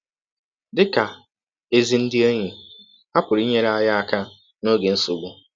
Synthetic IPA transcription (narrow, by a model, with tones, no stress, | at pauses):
dɪ˦ka˨ | e˦zi˨n̩˦dɪ˦e˦ɲi˨ | a˦pʊ˨ɾi˦ɲe˦ɾa˦ja˦a˦˨ka˦ | no˦ɡe˨n̩˦su˨bʊ˦